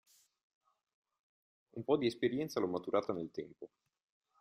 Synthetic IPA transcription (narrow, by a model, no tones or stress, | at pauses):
umpɔd̪iespeɾjɛnt̪salɔmːat̪uɾaːt̪anelt̪ɛmpo